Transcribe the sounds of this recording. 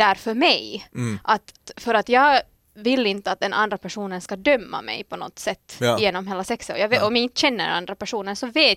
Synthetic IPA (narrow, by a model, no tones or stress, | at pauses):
æɾfœɾmɛjʔat̪fœɾat̪jɑːɡ | vɪlːɪnt̪əat̪̚d̪ɛnʔa̰nd̪ɾapæʂuːnənskad̪œmːa̰mɛ̰jpʰɔnɔ̰t̪ːsɛt̪ːɪjeːnɔmheːlːasɛksəɔ̰jɑɔmjaɪnt̪əɕɛnːəɾ̰a̰nd̪ɾapʰæʂuːnənsɔveː